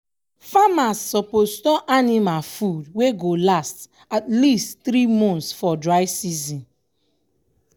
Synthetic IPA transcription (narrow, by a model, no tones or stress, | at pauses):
famasːɔpostɔʔanimafudweɡolast | atlistθɾimɔ̃ntsfɔdɹaɪsizĩn